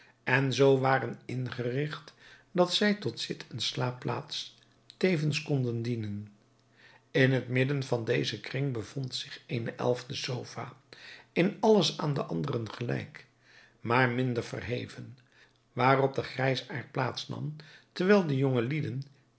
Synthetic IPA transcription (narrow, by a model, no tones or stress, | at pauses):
ʔɛnzowʋaːrənɪnχərɪχt | dɑtsɛjtɔtsɪtʰənslaːpla̰ːts | tejvənskɔndəndinən | ɪnɦətmɪdənvɑndejzəkrɪŋbəv̥ɔntsɪχenəʔɛ̰lˠvdəsowfa̰ːɪnɑləsaːndəʔɑndərənχəlɛ̰jk | maːɹmɪndəɹvə̰rɦejvən | ʋaːrɔb̚dəχrɛjsaːɹt̚plaːtsnɑ̰mtərʋɛːlˠdəjoŋəlidən